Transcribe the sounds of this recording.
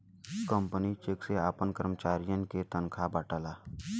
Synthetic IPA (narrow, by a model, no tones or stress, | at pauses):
kəmpənit͡ʃekseaːpənkəɾmət͡ʃaːɾijənket̪ənkʰabaːʈəlaː